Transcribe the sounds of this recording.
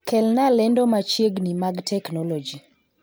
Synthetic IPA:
kɛlnalɛndɔmat͡ʃjeɡnimaɡtʰɛknɔlod͡ʒi

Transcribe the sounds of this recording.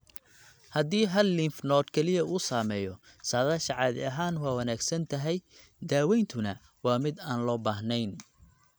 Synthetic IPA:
hɐd̪iːɦɐlːinfnɔːd̪kʰɛlɪjɐuːsaːmɛːjɔ | saːðɐʃɐʕɑːðɪ̰ɐɦaːnwɑːwɐnaːɡsɐnt̪ʰɐɦɛj | d̪aːwɛjnt̪ʰʊnɐ | wɑːmɪd̪aːnlɔːbaːɦnɛjn

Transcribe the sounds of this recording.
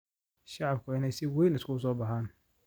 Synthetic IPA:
ʃɑʕɑb̚kʰʊɪnɛjsɪwɛjnɪskʰʊʊs̬ɔːbɐɦaːn

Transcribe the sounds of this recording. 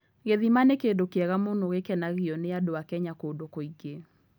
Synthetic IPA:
ɣeðimanekendokeɛɣamonoɣekɛnaɣiɔneadoakɛɲakondokoiɣe

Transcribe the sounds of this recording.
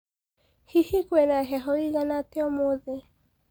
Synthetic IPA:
hihikwɛnaɦɛɦɔiɣanateɔmoðe

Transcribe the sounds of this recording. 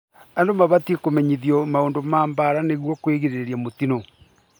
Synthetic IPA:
andomaβatiekomɛɲiðjɔmaoːndomaːmbaɾaneɣwɔkweɣeɾeɾjamotino

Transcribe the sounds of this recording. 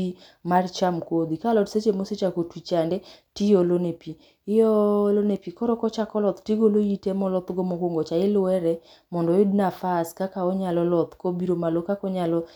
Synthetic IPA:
i | mart͡ʃamkod̪ikalɔtset͡ʃemoset͡ʃakotwit͡ʃandɛtijɔlonepi | ɪjɔlonepikɔɾɔkɔt͡ʃakɔlɔt̪tiɡoloitɛmɔlɔt̪ɡɔmɔɡoŋɡɔt͡ʃaɪlʊɛɾɛ | mɔndɔjodnafaskakaɔɲalɔlɔt̪kobiɾomalokakɔɲalɔ

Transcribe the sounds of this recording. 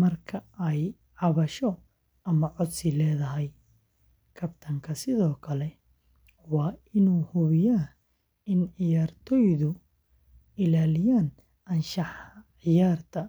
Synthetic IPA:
mɐrkʰɐɛj | ʕɑβɐʃɔ | ʔɐmɐʕɔd̪sɪlɛːðɐɦɛj | kʰɐbt̪ʰɐŋkʰɐsɪðɔːkʰɐlɛ | wɑːɪnuːhʊβɪjaː | ɪnʕɪjaːrt̪ʰɔjðʊ | ɪlaːlɪjaːn | ɐnʃɑħʕɪjaːrt̪ʰɐ

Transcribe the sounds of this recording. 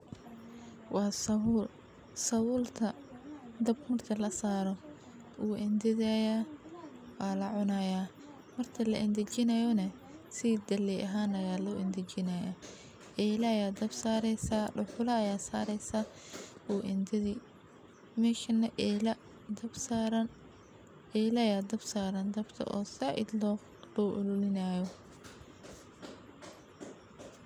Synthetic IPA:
wɑːsɐul | sɐwʊːlt̪ʰɐ | d̪ɐbmɐrt̪ʰɐlɐsaːɾɔ | ʔuːʔɛnd̪ɪðaja | wɑːlɐʕʊnɐjaː | mɐrt̪ʰɐlɐ̰ʔɪnd̪ɐt͡ʃɪnɐjɔnɐ | sɪd̪ɐlɛʔɐɦaːnɐjaːlɔːʔɪnd̪ɪt͡ʃɪnɐja | ʔɛːlɐjaːd̪ɐbsaːɾɛsaːɖʊħʊlɐɐjaːsaːɾɛsa | uːʔɪnd̪ɐðiː | mɛːʃɐnːɐl | ɾ | ɛlɐjaːd̪ɐbsaːɾɐnd̪ɐbt̪ʰɐ̰ʔɔ̰ːsɐʕɪ̰d̪lɔ | lɔːʔʊlʊlɪnaːjɔ

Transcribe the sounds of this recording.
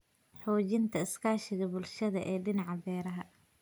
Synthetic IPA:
ħɔːt͡ʃɪnt̪ʰɐɪskʰaːʃɪɣɐbʊlʃɐðɐʔɛːɖɪnɑʕɑbɛːɾɐɦɐ

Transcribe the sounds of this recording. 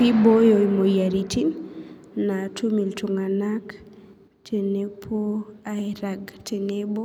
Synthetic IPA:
ibojoimojaɾitʰinː | atumiltuŋanak | tʰenepʰoaiɾaɡtʰenebo

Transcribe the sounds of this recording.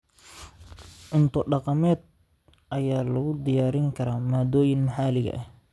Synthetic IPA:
ʕʊnt̪ʰɔɖɑqɑmɛːd̪̚ | ʔɐjaːlɐɣʊd̪ɪjaːɾɪŋkʰɐɾaːmaːd̪ɔːjɪnmɑħaːlɪɣɐ̰ʔɛh

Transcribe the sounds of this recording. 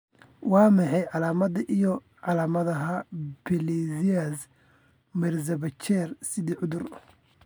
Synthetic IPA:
wɑːmɑħɑjʕɑlaːmɐðɐʔijɔ | ʕɑlaːmɐðɐɦɐbɛlɛzias | mɛrzɐβɐt͡ʃɛːrsɪðiːʕʊðʊr

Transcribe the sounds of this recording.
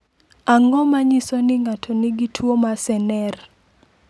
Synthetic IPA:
aŋɔmaɲisɔnɪŋatʰɔnɪɡitʰwomasɛnɛr

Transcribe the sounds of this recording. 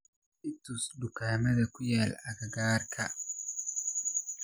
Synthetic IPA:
ʔɪt̪ʊsɖʊkaːmɐðɐkʰʊjaːlɐɣɐɡaːrkʰɐ

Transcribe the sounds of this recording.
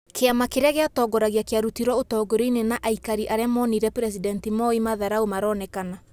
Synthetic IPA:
keamakeɾeaɣeatɔɡɔɾaɣjakeaɾutiɾwɔotɔːɡoɾoinenaʔaikaɾiʔaɾeamɔniɾɛpɾɛs̬idɛntimɔimaðaɾaomaɾɔːnɛkana

